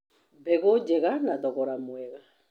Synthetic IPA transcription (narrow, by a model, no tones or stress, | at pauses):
bɛɣod͡ʒɛɣanaðɔɣɔɾamwɛɣa